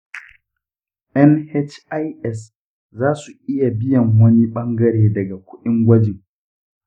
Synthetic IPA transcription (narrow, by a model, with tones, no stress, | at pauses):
ʔɛ˦nhɛ˦t͡ʃa˦jʔɛ˦˨s | zaː˦su˨ʔɪ˦ja˨bɪ˦jɐ˨ŋwɐ˦ni˦ɓɐ˦ŋɡɐ˦ɾeː˨dɐ˨ɡa˨kʷʊ˦ɗɪ˦ŋɡʷɐ˦d͡ʒɪ˨ŋ